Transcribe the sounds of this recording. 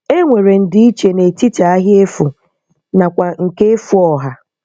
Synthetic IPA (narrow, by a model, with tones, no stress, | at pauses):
e˦ŋʷe˨ɾe˨n̩˦˨dɪ˦i˦t͡ʃe˨ne˨ti˦ta˨a˦ɦje˦fu˨ | na˨kʷa˨ŋ̩˨ke˦e˦fu˦ɔ˨ɦa˦